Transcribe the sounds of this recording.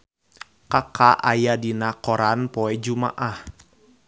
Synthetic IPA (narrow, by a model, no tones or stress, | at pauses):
kakʰaʔajadinakɔɾanpɔɛd͡ʒuma̰ʔah